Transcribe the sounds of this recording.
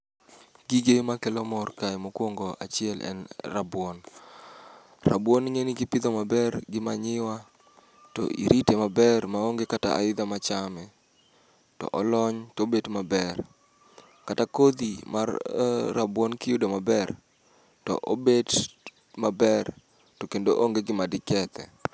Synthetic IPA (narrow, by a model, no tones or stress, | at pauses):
ɡiɡemakɛlɔmɔrkajmokwoŋɡoʔa̰t͡ʃɪɛlʔɛ̰nrabwɔn | ra̰bwɔnŋeniɡɪpɪd̪omabɛɾɡɪmaɲɪwa | tɔ̰ʔḭɾitemabɛrmaoŋɡekata̰ʔa̰ɪd̪amat͡ʃamɛ | tɔ̰ʔɔlɔɲtobedmabɛr | katakod̪imarːabwɔnkɪjudomabɛr | tɔ̰ʔobed | mabɛr | tɔkendoʔoŋɡeɡɪmadɪkɛt̪ɛ̰